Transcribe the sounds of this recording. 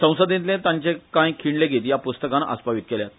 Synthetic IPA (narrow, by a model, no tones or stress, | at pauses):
sə̃w̃səd̪ĩnt̪lẽt̪ãɲt͡ɕekãjkʰiɳleɡʱet̪japust̪əkanʔə̰spaʋit̪̚keljat̪̚